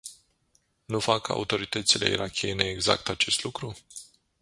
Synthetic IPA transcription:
nufakəa̰ut̪o̞ɾit̪ət̪sile̞̰ḭɾakʲieneːɡza̰kt̪at͡ʃe̞st̪lukɾu

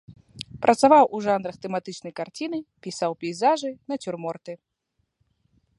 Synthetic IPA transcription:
pɾʔɐt̪savawʔuʐanɾɐxt̪ɛmat̪ɨt͡ʂnɐjkart͡sʲinɨpʲisawpʲijzaʐɨnɐt͡sʲurmɔrt̪ɨ

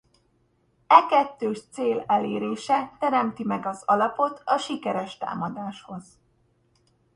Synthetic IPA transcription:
ɛkɛt̪ːøːʃt̪seːlɛleːɾeːʃɛt̪ɛɾɛmt̪imɛɡɒzɒlɒpo̞t̪ʰɒʃikɛɾɛʃt̪a̰ːmɒd̪aːʃho̞z̥

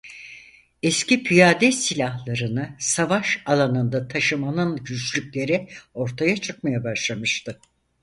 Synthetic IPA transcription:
ɛscipʰijaːd̪ɛsilʲaɦlˠaɾɯnɯsavaʃalˠanɯnd̪at̪ʰaʃɯmanɯnɟyt͡ʃlʲycʲlʲe̞ɾɪo̞ɾt̪ʰajat͡ʃʰɯk̚majabaʃlˠamɯʃt̪ʰɯ

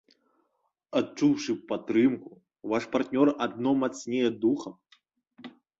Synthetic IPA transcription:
att͡ʂuwʂɨpat̪ɾɨmku | vaʂpart̪nʲɔrad̪nɔmat̪snʲɛjɛd̪uxɐm

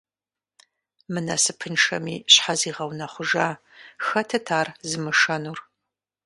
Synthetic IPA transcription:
mɨnɐsɨpʰɨnʂɐ̰miːɕħaziːʁɐwnɐχʷʊʒaː | xɐtʰɐtʰaːrzɨmɨʂɐnuːr

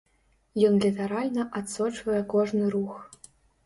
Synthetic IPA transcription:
jɔnlʲit̪aɾalʲnɐʔat̪sɔt͡ʂvɐjɛkɔʐnɨɾux

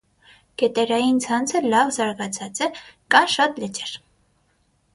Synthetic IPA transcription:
ɡ̥ɛt̪ɛɾɑjint͡sʰɑnt͡sʰəlɑvzɑɾɡɑt͡sʰɑt͡sɛkɑmʃɑt̪lɛt͡ʃɛɾ

